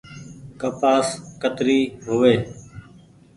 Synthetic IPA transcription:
kəpaːskət̪ɾiːɦʊʋeː

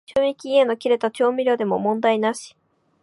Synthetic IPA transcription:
t͡ɕoːmʲikʲiːe̞nokʲiɾe̞t̪at͡ɕo̞ːmʲiɾʲo̞ːd̪e̞mo̞̰mõ̞nd̪ainaɕi̥

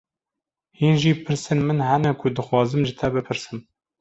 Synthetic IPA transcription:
hiːnʒiːpʰɨɾsɨnmɨnhɛnɛkʰʊd̪ɨxwɑːzɨmʒɨt̪ʰɛbɨpʰɨɾsɨm

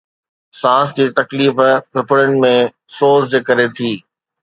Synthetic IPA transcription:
sãːsd͡ʑiːt̪ɐkliːfbɪpɪɽəñɪ̆mẽ | soːzd͡ʑeːkɐɾet̪ʰiː

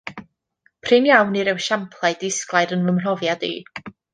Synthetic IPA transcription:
pʰrɪnjawniɾɛwʃampʰlˠaɨdɪsklˠajɾənvəmr̥ɔvjadḭː

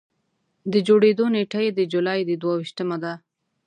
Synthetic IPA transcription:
d̪əd͡ʒoɽed̪oneʈajed̪əd͡ʒulɑjd̪əd̪wawiʃt̪əmad̪a

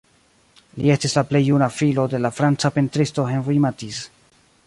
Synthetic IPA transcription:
lie̞stislaple̞jːunafilo̞de̞lafɾant͡sape̞ntɾisto̞ɦenvijmatis

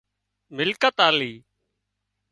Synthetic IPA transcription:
mɪlkət̪aːliː

